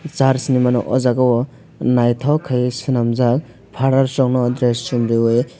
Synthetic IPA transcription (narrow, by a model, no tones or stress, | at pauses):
zaɾsinimanɔʔɔzaɡawɔ | najtʰawkʰajsɯnamzak̚ | pʰaɾaɾsɔŋnɔdɾesːumɾioj